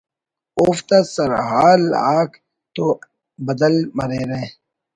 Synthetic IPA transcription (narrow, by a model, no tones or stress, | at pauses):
oft̪asɐɾhaːlaːk | t̪o | bɐd̪əlmɐɾeːɾẽ